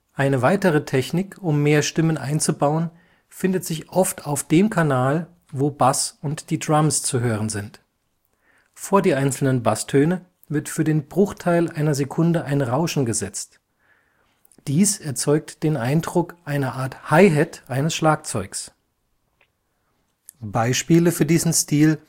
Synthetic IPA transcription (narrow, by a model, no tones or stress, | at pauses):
ʔaɪnəvaɪtəʁ̞ətʰɛçnɪkʰʊmːeːɐʃtɪmənʔa̰ɪnt͡subaʊən | fɪndətz̥ɪçʔɔftʰaʊfd̥eːmkʰanaːl | voːbasʊntd̥iːdʁamst͡suɦøːʁənzɪnt | foːɐdiːʔaɪnt͡sl̩nənbastʰøːnə | vɪɐtfyːɐdeːnbʁʊxtʰaɪlʔaɪnɐzekʰʊndəʔaɪnʁaʊʃn̩ɡəzɛt͡st | d̥iːsɛɐt͡sɔʏk̚td̥eːnʔaɪndʁʊkʔaɪnɐʔaːɐthaɪɦɛtʔaɪnəsʃlaːk̚t͡sɔʏks | b̥aɪʃpiːləfyːɐdiːzn̩stiːl